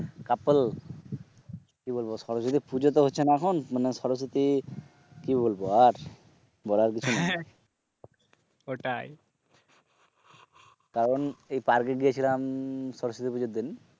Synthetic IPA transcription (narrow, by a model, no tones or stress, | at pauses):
kapl | kibolbosɔɾosot̪̬ipud͡ʑot̪oɦotːɕʰenaɛkʰonmaneʃɔɾos̬ot̪i | kibolboaɾ | bɔɾaɾk̬it͡ɕʰune | oʈaj | kaɾonejpaɾkeɡijet͡ɕʰilamsɔɾosot̪ipud͡ʑod̪in